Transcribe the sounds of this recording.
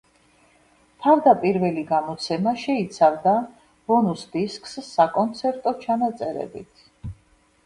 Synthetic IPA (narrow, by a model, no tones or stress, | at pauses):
t̪ʰavd̪apʼiɾvɛliɡamɔt̪sʰɛmaʃɛit̪sʰavd̪a | b̥ɔnusd̪iskʼsːakʼɔnt̪sʰɛɾt̪ʼɔt͡ʃʰanat̪sʼɛɾɛ̰bḭt̪ʰ